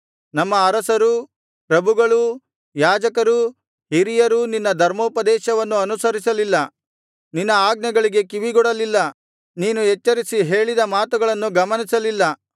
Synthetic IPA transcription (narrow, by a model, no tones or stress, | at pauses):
nɐmːɐːɾɐsɐɾu | pɾɐbʱuɡɐɭu | jaːd͡ʒɐkɐɾu | ɦiɾijɐɾuninːɐd̪ʱɐɾmoːpɐd̪ɛːʃɐʋɐnːuɐnusɐɾisɐlilːɐ | ninːɐaːɡ̚nɐɡɐɭiɡe̞kiʋiɡɔɽɐlilːɐ | niːnuet͡ʃːɐɾisiɦe̞ːɭid̪ɐmaːt̪uɡɐɭɐnːuɡɐmɐnisɐlilːɐ